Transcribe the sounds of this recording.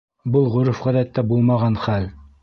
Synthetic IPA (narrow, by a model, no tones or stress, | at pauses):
bɤlˠʁɵ̆ɾɘfʁæðæt̪ːæbulˠmɑʁɑnχæl